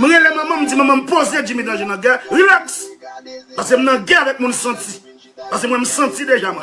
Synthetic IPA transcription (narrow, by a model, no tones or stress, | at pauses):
m̩̃ɣelemɐ̃mɐ̃m̩d͡zim̃mãm̩pozed͡ʒimidãʒenɐ̃ɡaʁilaks | paskem̩nɐ̃ɡɛavɛk̚mũnsɐ̃ti | paskemwɛ̃m̩sɐ̃t͡sideʒamwɛ̃